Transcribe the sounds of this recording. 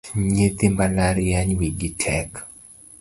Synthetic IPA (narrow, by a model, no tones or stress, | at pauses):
ɲet̪ɪmbalaɾjaɲwiɡɪtʰɛk